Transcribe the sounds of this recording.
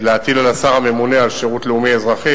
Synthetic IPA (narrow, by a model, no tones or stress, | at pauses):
leat̪ilalasaʁame̞munealʃeʁut̪leumiezʁaχi